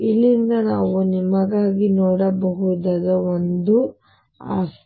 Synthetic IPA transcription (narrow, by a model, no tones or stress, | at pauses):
ilːind̪ɐnaːʋunimɐɡaːɡinoːɽɐbɐɦud̪aːd̪ɐond̪u | a̰ːs